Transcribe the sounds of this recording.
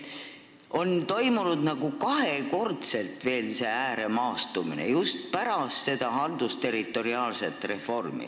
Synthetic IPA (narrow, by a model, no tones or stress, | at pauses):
o̞nt̪o̞jmunud̪̥nɑɡ̥ukɑɦhe̞ko̞rt̪se̞lt̪ve̞ːlse̞æːɾe̞mɑːst̪uminḛjust̪̚pæɾɑst̪se̞d̪̥ɑhɑld̪ust̪e̞ɾit̪ːˑo̞ɾiɑːlse̞t̪ːˑre̞fo̞rmḭ